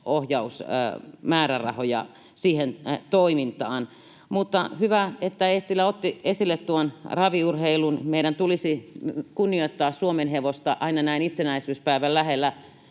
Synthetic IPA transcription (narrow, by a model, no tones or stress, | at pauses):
ohjɑusmæːɾærɑ̰hojɑ̰ | siːhent̪oimint̪ɑːn | mut̪ːɑhyʋæet̪ːæest̪ilːæot̪ːiesilːet̪t̪uonrɑʋiurheilunmeiɾænt̪ulisikunːioit̪ːɑːssuomenheʋost̪ɑʔɑinɑnæinit̪senæisyːspæiʋællæhelːæ